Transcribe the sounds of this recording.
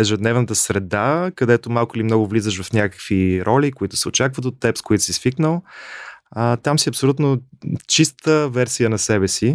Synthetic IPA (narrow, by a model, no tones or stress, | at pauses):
ɛʒɛd̪nɛvnət̪əsɾɛd̪akɐd̪ɛt̪omalˠkʊilimnɔɡʊvlizəʃvɐfnʲakə̥kviɾʔɔlʲikoit̪ʊ̥sɛot͡ʃakvət̪̬ot̪ːɛpskoit̪ʊ̥sisfiknəlˠ | ət̪amsiɐpsolʲut̪not͡ʃist̪əvɛɾsijənɐsɛbɛsi